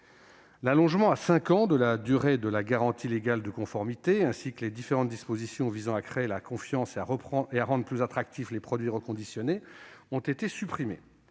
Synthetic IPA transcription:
lalɔ̃ʒmɑ̃asɛ̃kɑ̃d̪əlad̪yʁed̪əlaɡaʁɑ̃t̪ʰileɡald̪əkɔ̃fɔʁmit̪eɛ̃sikəled̪ifeʁɑ̃t̪̚d̪ispozisjɔ̃vizɑ̃akχeːlakɔ̃fjɑ̃seaʁəχeaʁɑ̃d̪ʁəplyzat̪χak̚t̪ʰiflepχɔd̪ɥiʁəkɔ̃d̪isjɔneɔ̃t̪et̪esypχimḛ

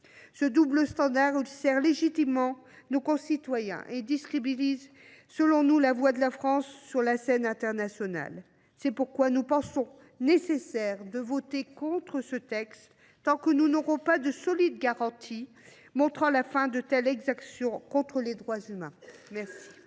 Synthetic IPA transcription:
səd̪ubləst̪ɑ̃d̪aʁilsɛʁleʒit̪imːɑ̃ | nokɔ̃sit̪wajɛ̰̃ʔed̪iskχibiliz | səlɔ̃nulavwad̪əlafχɑ̃sːyʁlasɛnɛ̃t̪ɛʁnasjɔna̰l | sɛpuʁkwanupɑ̃sɔ̃ | nesesɛʁd̪əvot̪ekɔ̃t̪χəsət̪ɛkst̪ː | ɑ̃kənunɔʁɔ̃pad̪əsɔlid̪ɡaʁɑ̃t̪ʰi | mɔ̃t̪χɑ̃lafɛ̃d̪ət̪ɛlɛɡzaksjɔ̃kɔ̃t̪χəled̪ʁwazymɛ̃mɛʁsi̥

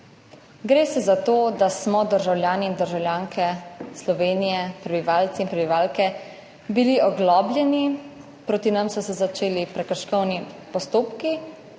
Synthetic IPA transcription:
ɡɾeːsɛzat̪oːd̪asmɔd̪əɾʒawljaːniːnd̪əɾʒawlʲjaːŋkʰɛslɔʋeːnijɛpɾɛbiʋaːlt̪siːnpɾɛbiʋaːlkɛ | biliʔɔɡlɔːblʲjɛni | pɾoːt̪inamsɔsɛzat͡ʃeːlipɾɛkəɾʃkɔwnipɔst̪oːpki

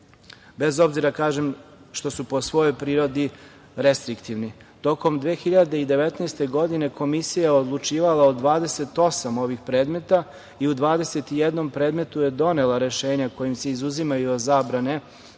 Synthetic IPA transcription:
be̞zo̞bziɾakaːʒemʃt̪o̞supo̞sʋo̞jo̞jpɾiːɾo̞d̪i | ɾe̞st̪ɾikt̪iʋni | t̪o̞ko̞md̪ʋeːxiʎad̪e̞id̪e̞ʋet̪nest̪e̞ɡo̞d̪ine̞ko̞misijaod̪lˠut͡ʃiːʋalaod̪ʋaːd̪e̞se̞t̪o̞samo̞ʋixpɾe̞ːd̪me̞t̪a | iud̪ʋaːd̪e̞se̞t̪ijed̪no̞mpɾe̞ːd̪me̞t̪uje̞d̪o̞ne̞lˠaɾe̞ʃe̞ːɲako̞jimse̞izuzimajuozaːbɾane

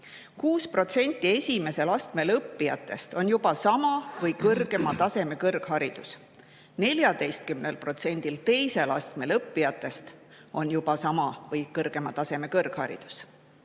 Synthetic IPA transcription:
kuːspro̞t̪se̞nʲt̪ˑːie̞sʲime̞se̞lɑst̪me̞lɤpːijɑ̰t̪ːˑe̞st̪o̞njub̥ɑsɑmɑvɤjkɤrɡ̥e̞mɑt̪ɑse̞me̞kɤrɡ̥hɑɾid̪̥us | ne̞lʲjɑd̪e̞jst̪̚kymnelpro̞t̪se̞nʲd̪̥ilt̪e̞jse̞lɑ̰st̪me̞lɤpːijɑt̪ːˑe̞st̪ | o̞njub̥ɑsɑmɑvɤjkɤrɡ̥e̞mɑt̪ɑse̞me̞kɤrɡ̥hɑ̰ɾḭd̪̥u̥s

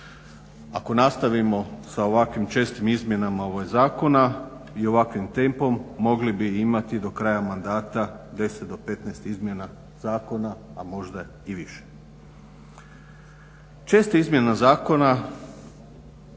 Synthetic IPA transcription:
ako̞nast̪aʋimo̞sao̞ʋakʋimt͡ʃe̞st̪imizmʲje̞namaoʋajzaːko̞na | io̞ʋakʋimt̪e̞mpo̞mːo̞ɡlibiimat̪id̪o̞kɾaːjamand̪aːt̪ad̪e̞set̪̚d̪o̞pe̞t̪nɛːst̪izmje̞na | zaːko̞naːmo̞ʒd̪a | iʋiʃe̥ | t͡ʃe̞st̪aizmje̞nazaːko̞na

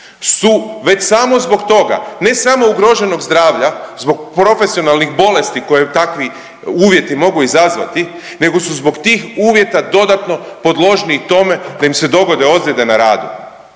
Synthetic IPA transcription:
suʋe̞t͡ɕsamo̞zbo̞kt̪o̞ɡa̰ne̞samo̞uɡɾo̞ʒe̞no̞ɡzd̪ɾaːʋʎazbo̞ɡ̚pɾo̞fe̞sio̞nalˠnixbo̞le̞st̪iko̞jet̪akʋi | uːʋje̞t̪imo̞ɡuizazʋa̰t̪i | ne̞ɡo̞suzbo̞ɡt̪iːxuːʋje̞t̪ad̪o̞d̪at̪no̞po̞d̪lˠo̞ʒnit̪o̞me̞d̪aimse̞d̪o̞ɡo̞d̪e̞o̞d̪lʲed̪e̞naɾaːd̪ṵ

